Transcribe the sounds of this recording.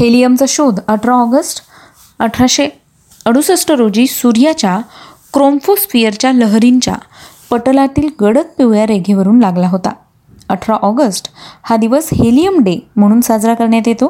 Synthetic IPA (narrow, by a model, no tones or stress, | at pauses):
helijəmt͡səɕod̪ʱəʈʰɾaɔɡəsʈ | əʈʰɾaɕe | əɽusəsʈəɾod͡ʑiːsuɾjat͡ɕjakɾomfosfijəɾt͡ɕjaləɦɾiɲt͡ɕja̰pəʈlat̪iːlɡəɽət͡s̪̚peʋjjaɾeɡʱeʋəɾuːnlaɡlaɦot̪a̰ | əʈʰɾaʔɔɡəsʈhad̪iʋəshelijəmɖem̤əɽ̃uːnsad͡zɾakəɾɳjat̪jet̪o